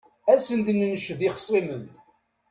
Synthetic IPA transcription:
æsənd̪nnəʃəðiχə̥sˤimən

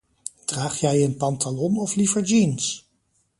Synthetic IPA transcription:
d̥raːχjɛjənpɑntalɔnɔflivəɹd͡ʒins

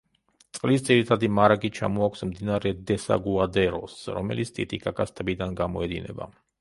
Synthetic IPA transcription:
t̪sʼqʼlisd̪zʼiɾit̪ʰad̪imaɾaɡʼit͡ʃʰa̰mɔakʷʰsmd̪inaɾɛd̪ɛsa̰ɡuad̪ɛɾɔsɾɔ̰mɛlit̪sʰt̪ʼit̪ʼikʼakʼast̪ʰʼɛbid̪anɡamɔɛd̪inɛ̰ba̰

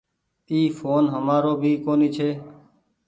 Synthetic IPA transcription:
iːfʰoːnɦəmaːɾoːbʱiːkoːniːt͡ʃʰeː

